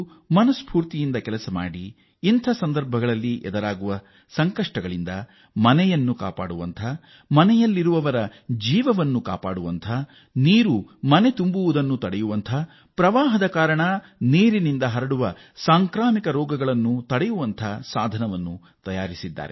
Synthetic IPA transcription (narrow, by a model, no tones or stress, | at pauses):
mɐnɐspʰuːɾt̪ijind̪ɐkɛlɐsɐma̰ːɽiː | nt̪ʰɐsɐnd̪ɐɾbʱɐɡɐɭɐlːiʔɛ̰d̪ɐɾaːɡuʋɐ | sɐŋkɐʂʈɐɡɐɭind̪ɐ | mɐnɛjɐnːuka̰ːpa̰ːɽuʋɐ̰nt̪ʰɐ | mɐnɛjɐlːiɾuʋɐʋɐɾɐd͡ʒiːʋɐʋɐnːuka̰ːpaːɽuʋɐnt̪ʰɐ | niːɾumɐne̞t̪umbuʋud̪ɐnːut̪ɐɽɛjuʋɐnt̪ʰɐ | pɾɐʋaːɦɐd̪ɐkaːɾɐɳɐ | neːɾinind̪ɐɦɐɾɐɽuʋɐ | saːŋkɾaːmikɐɾɔːɡɐɡɐɭɐnːut̪ɐɽɛjuʋɐnt̪ʰɐsaːd̪ʱɐnɐʋɐnːu | t̪ɐjaːɾisid̪ːa̰ːɾe